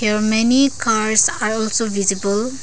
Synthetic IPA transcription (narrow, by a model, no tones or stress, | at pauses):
heɾmenikaɾsaɾɔlsovizibəl